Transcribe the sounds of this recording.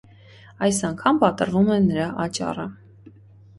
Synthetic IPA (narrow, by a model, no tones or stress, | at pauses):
ɑjsɑŋkʰɑmpɑt̪əɾvumɛnəɾɑʔɑt͡ʃɑ̰rə